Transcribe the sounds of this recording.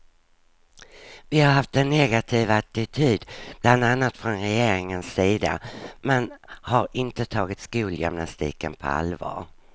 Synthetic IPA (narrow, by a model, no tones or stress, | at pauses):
vɪhaɾɦaft̪ɛnːɛɡat̪ʰiːvat̪ɪt̪ʰyːd̪bland̪anːat̪fɾɔnɾɛjeːɾɪŋənsːiːd̪a̰mɛnhaɾɪnt̪ət̪ʰɑːɡɪt̪skuːljʏ̰mnast̪ḭːkənpʰɔ̰a̰lvɑ̰ːɾ